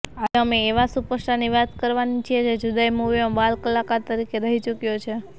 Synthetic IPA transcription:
ad͡ʒəmeːʋasupəsʈaniʋat̪kəɾʋanit͡ʃʰied͡ʒed͡ʒud̪aimuʋimãbalkəlakaɾt̪əɾikeɾəɦit͡ʃukjot͡ʃʰe

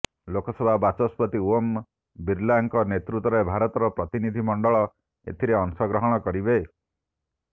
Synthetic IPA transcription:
lokɔsɔbʱabat͡ʃɔspɔt̪iuɔm | biɾlaŋkɔnet̪ɾut̪ɔɾebʱaɾɔt̪ɔɾɔpɾɔt̪inid̪ʱimɔɳɖɔɭɔ | ḛt̪ʰiɾeɔŋsɔɡɾɔɦɔɽ̃ɔkɔɾibe

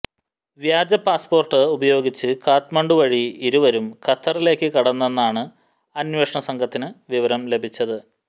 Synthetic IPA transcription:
ʋjaːd͡ʑɐpaːspo̞ːrʈːɨubɐjo̞ːɡit͡ɕːɨkaːt̪mɐɳɖuʋɐɻiiɾuʋɐɾumkʰɐt̪ʰːɐrile̞ːkːɨkɐɽɐnːenːaːɳɨ | ɐnweːʂɳɐsɐŋɡʰʱɐt̪ːinɨʋiʋɐɾɐmle̞bʱit͡ɕːɐðɨ

